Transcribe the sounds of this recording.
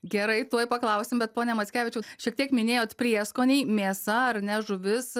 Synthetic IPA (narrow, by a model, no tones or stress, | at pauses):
ɡʲɛɾɐɪt̪uɔjpɐklˠɐʊsʲɪmbʲɛt̪̚poːnʲɛmɐt̪sʲkʲæːʋʲɪt͡ʃʲɛʊʃʲiɛkt̪ʲiɛkmʲɪnʲeːjoːt̪pʲɾʲiɛskoːnʲɛɪmʲeːsɐɐrnʲɛʒʊʋʲɪs